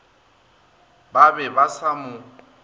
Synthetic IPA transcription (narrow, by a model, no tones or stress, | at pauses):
babɛbasamʊ